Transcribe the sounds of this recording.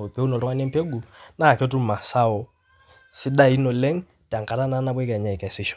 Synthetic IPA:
pe˦u˦nɔ˨ɾwa˦n˦ɛ˦mpe˦ɡu˨na˦˨ke˦tu˦ma˨sa˦ɔ˨˦ | si˦ɗa˦i˦nɔ˨lɛ˦ŋ | ta˨ŋka˨ɾa˦na˦na˦bwɛ˦ka˨ɲa˨i˨ka˨si˦ʃɔ̥˨

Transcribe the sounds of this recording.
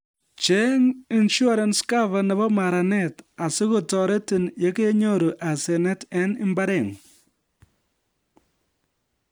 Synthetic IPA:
t͡ʃɛ˦ŋi˨nʃu˦a˦ɾanska˦va˨nɛ˨bɔ˦ma˨ɾa˨nɛta˨sɪ˦ku˨tɔ˨ɾe˦tɪ˨nje˦ke˦ɲo˦ɾu˨ʔa˨sɛ˨nɛ˦tɛ˦nɪ˦mba˦ɾɛ˨ŋ

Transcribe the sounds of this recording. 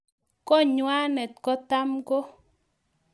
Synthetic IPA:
kɔ˦ɲwa˦nɛ˨tkɔ˦ta˦mko˦

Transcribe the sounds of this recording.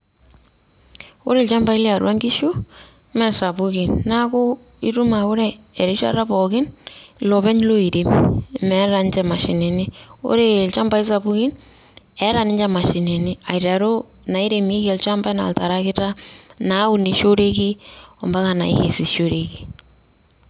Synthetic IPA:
o˦ɾe˨lt͡ʃa˦mba˦ɪ˦lɪ˦a˨ɾwa˦ŋɡɪ˦ʃu˦ | mɛ˦sa˨pu˦kɪ˨nna˦ko˦ | i˦tu˦ma˨o˦ɾeː˨ | ɾi˦t͡ʃa̰˦ɾa˦pɔ˨kɪ˦nlɔ˨βɛ˦ɲ˦lo˦i˨ɾe˨mi˨mɛ˨˦ɾa˨nt͡ʃɛ˨ma˨ʃḭ˨nɛ˨nɪ˦o̰˦ɾe˦˨lt͡ʃa˦mba˦i˦s̬a˨bʊ˦kɪ˦n | ɛ˨˦ɾa˨nɪ˦ɲd͡ʒɛ˨ma˨ʃɪ˨nɛ˨nɪ˦a˨jɾa˨ɾo˦ | na˨i˦ɾe˨mi˦kɛ˨lt͡ʃa˦mba˦na̰˨lta˨ɾa˦kɪ˦ta˦na˨˦ʊ˨ni˨ʃo˦ɾe˦ki˦ɔ˨mba˦ka˨na̰˨ḭ˦ke˨si˨ʃo˦ɾe˦ki˦

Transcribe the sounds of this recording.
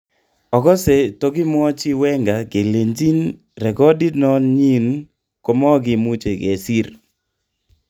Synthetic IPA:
ɔ˨ɡɔ˦se˨tɔ˦ɡɪ˦mɔ˦t͡ʃɪ˦wɛ˦ŋɡa˨ɡe˨le˨ɲd͡ʒi˦n | ɾɛ˨kɔ˦di˦nɔ˦nɲi˦n | ko˨mɔ˦ɡɪ˨mu˦t͡ʃe˨ɡḛ˨si˦ɾ

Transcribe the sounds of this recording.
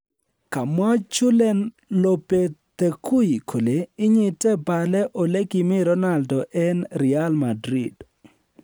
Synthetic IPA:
ka˨mɔ˦t͡ʃʊ˦lɛ˦n | lo˨pe˨t̪e˨kʰu˦ji˨kʰo˨le˨ɪ˦ɲɪ˨tɛ˦ba˨lɛ˦ʔo˨le˦kɪ˨mɪ˦ɾɔ˦na˨ldɔ˨ʔɛ˦nɾi˨a˦lmadɾi˨d

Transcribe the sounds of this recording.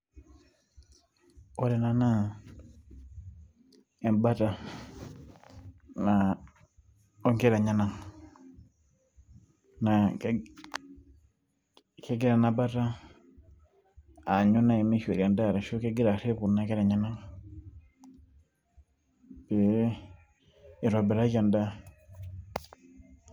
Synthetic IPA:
o˦ɾe˨na˨na˦ | e˨nba˦ta˨ | na˨ | o˦ŋke˦ɾa˨ɲa˦na˨ŋ | na˨ | ke˦ɡi˦ɾa˨na˨ba˦ta˦ | a˨ɲu˦na˦i˨mi˦ʃe˨ɾa˨nda˦˨ɾa˨ʃu˦ke˦ɡi˦ɾa˨ɾe˦pu˨na˨ke˦ɾa˨ɲa˦na˦ŋ | bi˨ | i˨ɾo˨bɛ˨ɾa˦d͡ʒa˨nda˦

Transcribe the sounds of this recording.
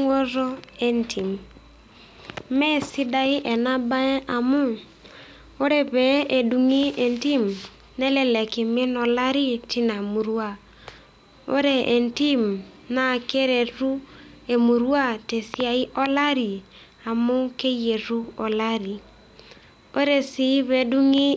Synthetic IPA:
wo˦ɾo˦ɛ˦ntʰi˨m | mɛ˦si˦da˦ɪ˦ʔɛ˨na˦ba˦ɛ˦ʔa˨mʊ˦ | o˦ɾe˨βɛ˨˦e˨du˨ŋi˦ɛ˨nti˦m | nɛ˦le˨lɛ˨ke˨me˦nɔ˨la˦ɾi˦ti˦na˨mu˨ɾwa˦˨ | o̰˦ɾe˦˨e˨nti˦mna˨ke˦ɾe˨ɾu˦e˨mu˨ɾwa˦˨te˨si˦a˨i˦ʔɔ˦la˦ɾi˨ | a˨mʊ˦ke˦je˨ɾu˦ɔ˨la˦ɾi˨ | o˦ɾe˨si˨˦βɛ˨˦du˦ŋi˦

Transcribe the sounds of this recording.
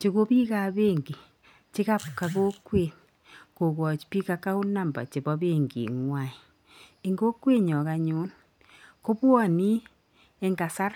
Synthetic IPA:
t͡ʃi˨ɣo˦βi˦ɣa˨βeː˦ŋɡi˨ | t͡ʃi˦ɣa˦pka˨ɣo˦kwe˨n | ko˨ɣwɔ˨t͡ʃi̥pi˦ka˦ka˦o˦na˦˨mba̰˨t͡ʃe˨βɔ˦βeː˦ŋɡḭ˨ŋwa˨i˨ | e˨ŋɡo˦kwe˦ɲɔ˨ɣa˨ɲu˦n | ko˦βwɔ˦˨ni˦ | e˦ŋɡa˨sa˦ɾa˦

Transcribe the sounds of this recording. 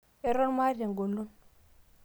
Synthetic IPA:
e˦ɾo˦nma˦ɾa˨ŋ˨ɡo˨lːo˦n

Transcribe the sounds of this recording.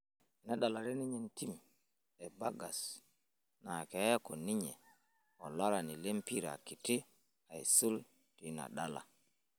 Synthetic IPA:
na˦ɗa˨la˨ɾɛ˦ni˦ɲɛ˨nti˦m | ɛ˨ba˦ɡa˨s | na˨kɛ˨˦a˦kɔ˨ni˦ɲɛ̰˨ | ɔ˨la˦ɾa˨ni˨le˦mpi˦ɾa̰˨ki˨ti˦ | a˨jsu˦l | tina̰˨ɗa˦la̰˨

